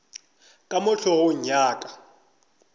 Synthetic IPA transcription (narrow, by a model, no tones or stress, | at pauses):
kʼamʊɬʰɔhʊɲ̩ɲaːkʼḁ